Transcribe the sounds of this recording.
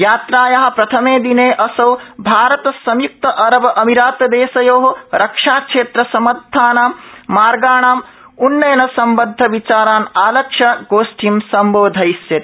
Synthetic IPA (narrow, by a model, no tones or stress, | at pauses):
jaːt̪ɾaːjɐɦɐ̆pɾɐt̪ʰɐmeːd̪ineːʔɐsɐwbʱaːɾɐt̪ɐsɐmjuk̚t̪ɐʔɐɾɐbɐʔɐmiɾaːt̪d̪eːsɐjoːɦɐɾɐkʂaːkʂeːt̪ɾɐsɐmɐd̪ʱːaːnaːmːaːɾɡaːɳaːm | unːɐjɐnɐsɐmbɐd̪ʱːɐʋit͡ʃaːɾaːnaːlɐkʂɐɡoːʃʈʰimsɐmboːd̪ʱɐjsjɐt̪